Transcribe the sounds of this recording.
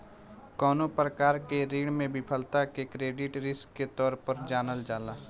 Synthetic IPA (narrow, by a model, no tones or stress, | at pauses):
kɔːnopɾəkaːɾkeɾiːɽmẽbɪpʰəlt̪akekɾeːɖɪʈɾɪskːet̪ɔːɾpəɾd͡ʒaːnəld͡ʒaːlaː